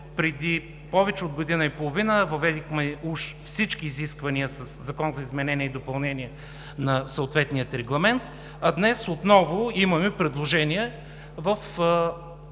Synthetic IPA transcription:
pɾɛd̪i | pɔvɛt͡ʃɛod̪ɡod̪inəipolˠovinəvɐvɛd̪ixmɛuʃfsit͡ʃkiːziskvɐniəsɐszɐkɔnzɐizmɛnɛniəid̪opɐlˠnɛniɛ | nɐsɐʊt̪vɛt̪nijət̪ɾɛɡlˠɐmɛnt̪̚ | ɐd̪nɛsot̪nɔvʊimɐmɛpɾɛd̪lˠoʒɛniɛ | vəf

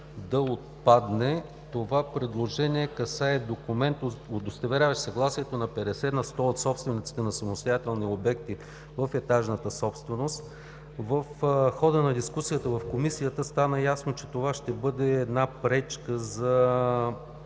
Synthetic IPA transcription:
d̪ɐot̪̚pad̪nɛ | t̪ovapɾɛd̪lˠoʒɛniɛkɐsaɛd̪okʊmɛnt̪od̪ost̪ɐvɛɾʲavɐʃsɐɡlˠasiɛt̪onɐpɛɾɛsɛnɐst̪ɔot̪sɔpst̪vɛnit̪si̥t̪ɛnɐsɐmost̪ojat̪ɛlˠniobɛk̚t̪i | vəfɛt̪aʒnət̪əsɔpst̪vɛnost̪ | vəfxɔd̪ənɐd̪iskusijət̪əvɐfkomisijət̪əst̪anəjasnot͡ʃɛt̪ovaʃt̪ɛbɤd̪ɛːd̪napɾɛt͡ʃkəzɐ

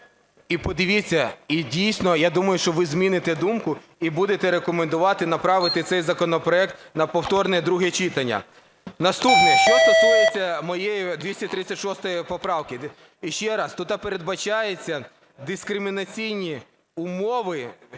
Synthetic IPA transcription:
ipɔd̪ɪʋʲit͡sʲːɐidʲijsnɔjad̪umɐjʊʃt͡ʃɔʋɪzmʲinɪt̪ɛd̪umkʊ | ibud̪et̪ɛɾekɔmend̪ʊʋɑt̪ɪnɐpɾɑʋɪt̪ɪt̪sɛjzɐkɔnɔpɾɔɛk̚t̪nɐpɔwt̪ɔrnɛd̪ɾuɦɛt͡ʃɪt̪ɐnʲːɐ̰ | nɐst̪upnɛʃt͡ʃɔt̪ɔt̪ʊjet͡sʲːɐmɔjɛjid̪ʋʲisʲtʲɐt̪ɾɪt͡sʲːɐtʲʃɔst̪ɐjɛpɔpɾɑwkɪ | ʃt͡ʃɛɾɑst̪ut̪ɐpeɾe̞d̪bɐt͡ʃɑjet͡sʲːɐ | d̪ɪskɾɪmʲinɐt͡sʲijnʲi | ʊmɔʋɪ

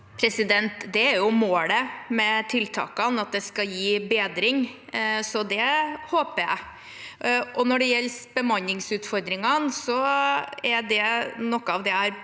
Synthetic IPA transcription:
pʰɾɛsɪd̪ɛnt̪d̪ɛæɾjʊmoːləmɛt̪ʰɪlt̪ʰɑ̰ːkɑnɑt̪̚d̪ɛskɑjiːbeːd̪ɾɪŋsɔd̪ɛhoːpəjæɪ | ɔnɔɖɛjɛlːsb̥əmɑnːɪŋsʉːt̪fɔɾd̪ɾɪŋɑnsɔ | æɾɖɛnɔkːəɑʋd̪ɛhæɾ

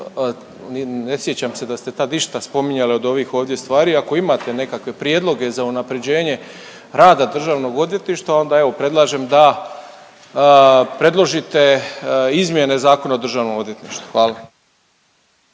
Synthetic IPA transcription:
nnesjet͡ɕamse̞d̪ast̪e̞t̪aːd̪iʃt̪aspo̞miɲaleo̞d̪o̞ʋiːxo̞ːʋd̪je̞st̪ʋaːɾiːako̞imat̪e̞ne̞kakʋe̞pɾje̞d̪lo̞ɡe̞zaunapɾe̞d͡ʑe̞ːɲe̞ | ɾaːd̪ad̪r̩ʒaːʋno̞ɡo̞d̪ʋje̞t̪niʃt̪aːo̞nd̪ae̞ʋo̞pɾe̞d̪lˠaːʒe̞md̪a | pɾe̞d̪lˠo̞ʒit̪e̞izmʲje̞ne̞zaːkonaod̪r̩ʒaːʋno̞mo̞d̪je̞t̪nḭʃt̪u̥xʋaːla

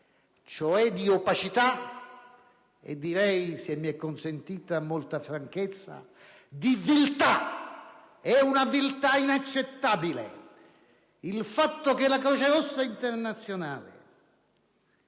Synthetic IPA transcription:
t͡ʃoɛd̪ːiopat͡ʃit̪a | ḛd̪ːiɾɛjsemːiɛkːonsent̪iːt̪amːolt̪afɾaŋket̪sːa̰ | d̪ivilt̪a | ɛunavilt̪ainat͡ʃːet̪ːaːbilḛ | ilfat̪ːokelːakɔːsaɾɔsːaint̪ernat̪sːjonaːlḛ

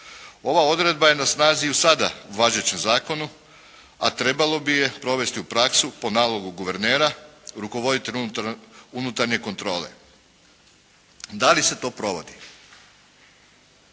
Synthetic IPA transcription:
o̞ʋao̞d̪ɾe̞d̪̚baje̞nasnaːziusad̪auʋaʒet͡ɕe̞mzaːko̞nu | a̰t̪ɾe̞balo̞bije̞pɾo̞ʋe̞st̪iupɾaksupo̞naːlo̞ɡuɡuʋe̞ɾne̞ːɾaɾuko̞ʋo̞d̪it̪eʎʲ | unut̪aɾɲe̞ko̞nt̪ɾo̞ːle̞̰ | d̪alise̞t̪o̞ːpɾo̞ʋo̞d̪i

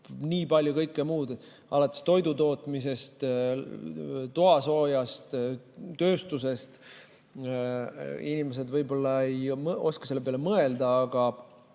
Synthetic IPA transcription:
niːpɑlʲjukɤjkːˑemuːd̪̥e | ʔɑ̰lɑt̪ːˑest̪o̞jd̪ut̪o̞ːt̪ˑmise̞st̪ | t̪uɑso̞ːjɑst̪ | t̪ø̞ːst̪us̬e̞st̪ | inimes̬e̞d̪vɤjbo̞lːɑejmo̞skɑ̥se̞lːepeɑlemɤe̞ld̪̥ɑɑɡ̥ɑ

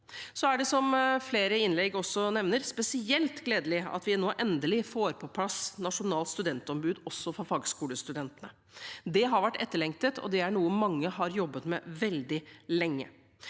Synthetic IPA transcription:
sɔæɖɛsɔmfleːɾəɪnlɛɡɔsːɔnɛʋnəɾspɛsɪɛlt̪ɡleːd̪əlɪɑ̰t̪ʋɪnoːʔɛnd̪əlɪfoːɾpʰɔpʰlɑsnɑʂʊnɑːlt̪st̪ʉd̪ɛnt̪ɔmbʉːd̪ɔsːɔfɔɾfɑːɡskuːləst̪ʉd̪ɛnt̪ənə | d̪ɛɦɑɾʋæʈːɛt̪ːəɭɛŋt̪ət̪ʰɔ̰d̪ɛæɳuːəmɑŋːəɦɑɾjɔbːət̪mɛʋɛld̪ɪlɛŋːə̰

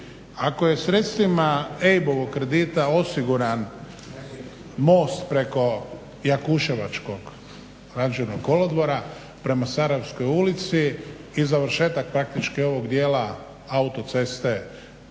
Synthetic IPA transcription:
akoje̞sɾe̞t̪st̪ʋimaejbo̞ʋo̞kkːɾe̞d̪it̪ao̞siɡuɾan | mo̞ːst̪pɾe̞ko̞ | jakuʃeʋat͡ʃko̞ɡ | ɾad͡ʒenoɡɡo̞lod̪ʋo̞ɾa | pɾe̞masaɾajewsko̞julit̪siː | zaʋɾ̩ʃe̞ːt̪ak̚pɾak̚t̪it͡ʃkio̞ʋo̞ɡd̪jeːla | aut̪o̞t̪se̞st̪e

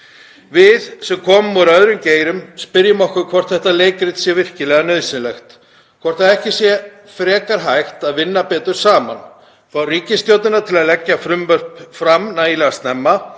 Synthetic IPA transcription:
vɪðsɛmkʰɔːmʏmuɾœðɾʏmceːjɾʏmspɪɾjɪmɔhkʏɾkʰv̥ɔr̥t̪θɛht̪aleːjkɾɪt̪sjɛvɪr̥cɪlɛːɣanœðsɪnlɛxt̪ | kʰvɔr̥t̪aðɛhcɪsjɛ | fɾɛːkaɾɦajxt̪aðvɪnːapɛːt̪ʏɾ̥saːma̰n | fɾawriːcɪst̪jowt̪nɪnat̪ʰɪlaðlɛcːafɾʏmvœr̥pfɾamnailɛɣast̪nɛmːa

